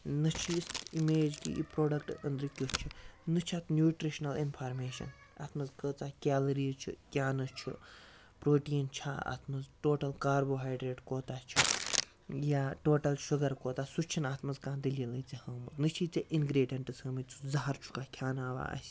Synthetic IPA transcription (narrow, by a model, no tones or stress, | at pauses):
nɨt͡ʃʰisimeːd͡ʒkʲḭḭpɾoːɖɐk̚ʈənd̪ɾikʲjot͡ʃʰinɨt͡ʃʰat̪nʲjuːʈɾiʃnɐlinpʰaːɾmeːʃɐ̰n | a̰ːt̪ʰmɐzkəːt͡saːkʲaːlɐɾiːt͡ʃʰḭkʲjaːnɐt͡ʃʰḭ | pɾoːʈiːnt͡ʃʰa̰ːa̰ːt̪ʰmɐzʈoːʈɐlkaːɾboːɦaːjɖɾeːʈkoːt̪aːt͡ʃʰi | jaːʈoːʈɐlʃuɡɐɾkoːt̪aːsut͡ʃʰinaːt̪ʰmɐzkãːnd̪ilɐlɐt͡sihɐːmɐɾnɨt͡ʃʰiːt͡sɐʔinɡɾeːɖijɐɳʈɨsɐːmit͡sʰu̥zɐɦɐɾt͡ʃʰu̥kaːkʲʰjaːnaːʋa̰ːɐ̰sʲ